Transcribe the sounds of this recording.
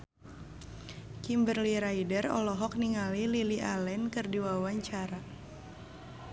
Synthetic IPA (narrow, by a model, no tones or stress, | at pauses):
kimbərliɾajdərɔ̰lɔɦɔk̚niŋalililiʔalɛnkɨrdiwawaɲt͡ʃaɾa